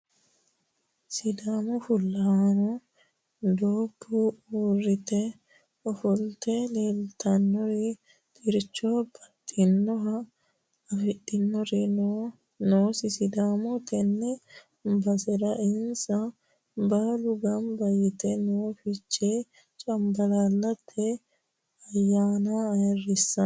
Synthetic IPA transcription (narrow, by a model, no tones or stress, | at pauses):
sɪd̪aːmɔfʊlːɐnɔ | d̪oːbːuuːrɪt̪ɛ | ɔfɔlt̪ɛleːlt̪ɐnːɔɾɛ | t̪ʼɪɾt͡ʃːɔb̥ɐt̪ʼːɪnːɔɦɐ | ɐfɪɗɪnːɔɾɛ | noːsɪsɪd̪aːmɔt̪ʰɛnːɛ | bɐsɛɾɐʔɪnsɐ | baːlʊɡɐmbɐjɪt̪ɛnoːfɪt͡ʃːe | t͡ʃʼɐmbɐlaːlːɐt̪ʰːɛ | ɐjːaːnaɐjɐrːɪsːɐ